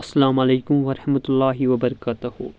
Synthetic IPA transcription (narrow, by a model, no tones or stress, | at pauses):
ɐsːɐlaːmɐleːkʊmʋɐɾɐħmɐt̪ʊlːaːɦiʋɐbɐɾɐkaːt̪ɐɦhṵ